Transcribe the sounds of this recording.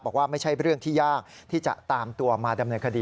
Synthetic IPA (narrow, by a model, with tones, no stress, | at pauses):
bɔː˨˩k̚waː˥˩ma˥˩jt͡ɕʰa˥˩jɾɯ˥˩əŋt̪ʰiː˥˩jaː˥˩k̚ | t̪ʰiː˥˩t͡ɕa̰˨˩ʔt̪aː˧mt̪u˧ɐmaː˧da˧mnɤː˧nkʰa˧diː˧